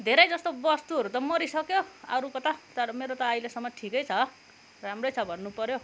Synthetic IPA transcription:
d̪ʱeɾʌjd͡zʌst̪obʌst̪uɦʌɾut̪ʌmʌɾisʌkjoʌɾukʌt̪at̪ʌɾʌmeɾot̪ʌːjlesʌmːʌʈʰikʌjt͡sʰʌ | ramrʌjt͡sʰʌbʱʌnːupʌɾjo

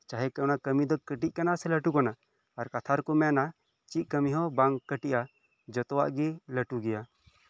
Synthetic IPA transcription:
t͡ʃaɦɛkɛɔnakəmid̪ɔkəʈiʔ̚kanasɛləʈukanaː | ɾkat̪ʰaɾkɔmɛna | t͡ʃiʔ̪̚kəmiɦɔbaŋkəʈiʔa | d͡ʒɔt̪ɔwa̰ʔɡiləʈuɡɛja

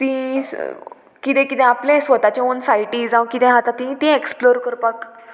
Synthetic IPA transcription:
t̪ĩ | kit̪ɛ̃kit̪ɛ̃aplɛ̃sʋət̪at͡ɕẽonsajiʈiːd͡zãwkit̪ɛ̃ɦat̪at̪ĩt̪ĩeksploɾkəɾpak

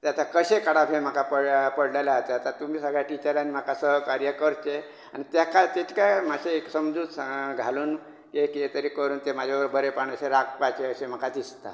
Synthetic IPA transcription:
t̪jat̪akəɕekəɽapẽm̤əkʰapəɽpəɽlalaat̪eat̪at̪umiːsəɡɭjaʈit͡ɕəɾanim̤akasəɦəkaɾjəkəɾt͡ɕe | añit̪jakat̪et̪kamaɕeeksəmd͡zuːd͡zsaɡʱaluːn | keket̪əɾiːkəɾuːnt̪emad͡ʑʱaʋəɾbəɾepaɳ̃əɕeɾak̚pat͡ɕeəɕem̤əkʰad̪ist̪a̰

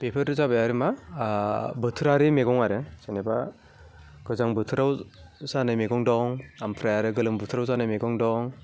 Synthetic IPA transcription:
pepʰɯɾdɯzabajaɾima | bɯtʰɯɾaɾimeɡɔŋaɾɯseneba | ɡ̥ɯzaŋbɯtʰɯɾawsanɯjmeɡɔŋdɔŋampʰɾajaɾɯɡɯlɯmbɯtʰɯɾawzanɯjmeɡɔŋdɔŋ

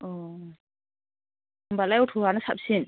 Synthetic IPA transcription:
ɔ | mbalajɔtʰuɾanasap̚sin

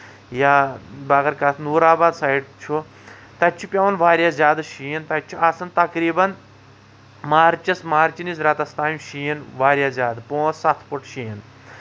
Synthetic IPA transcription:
jabɐɡɐɾkat̪ʰnuːɾaːbaːd̪saːiɖt͡ʃʰu | t̪ɐt͡ʃʰupʲjɐʋɐnʋaːɾʲjazʲaːd̪ɨʃiːint̪ɐt͡ʃʰuʔasɐnt̪ɐkɾiːbɐn | maːɾt͡ʃɐsmaːɾt͡ʃinisɾɐt̪ɐst̪aːmʲʃiːjinʋaːɾjazʲjaːd̪ɨpõːsɐt̪ʰpuʈʃiːn

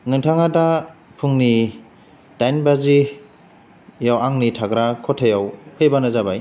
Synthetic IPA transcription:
nɯŋtʰaŋatapʰuŋni | d̥ajnbazi | jawaŋnitʰaɡɾakʰɔtʰːajawpʰɯbanɯzabaj

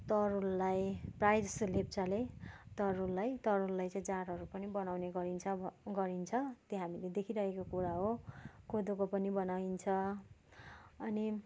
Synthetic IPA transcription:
t̪ʌɾulːajprajd͡zʌslep̚t͡sʌlet̪ʌɾulːajt̪ʌɾulːajt͡sʌ̃ĩd͡zaɾɦʌɾupʌnibʌnawneɡʌɾint͡sʰʌɡʌɾint͡sʰʌt̪jeɦamiled̪ekʰiɾʌɦekokuɾaɦokʰod̪okopʌnibʌnawint͡sʰʌ | ʌni

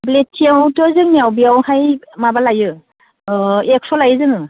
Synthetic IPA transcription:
bletʰiawtɔzɯnmiawbijawhajmabalajɯ | ɛksɔlajzɯnɯ

